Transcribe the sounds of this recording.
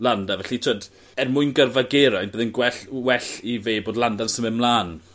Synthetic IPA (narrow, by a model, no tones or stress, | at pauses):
lˠandavɛɬitʰoːd | ɛrmʊɨnɡərvaɡeɾajnbəːðənɡwɛɬwɛɬiveːboːdlˠandansəmɛmlˠaːn